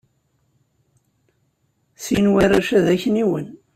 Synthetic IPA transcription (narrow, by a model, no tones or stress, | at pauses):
θinwæɾaʃæðæçəniwən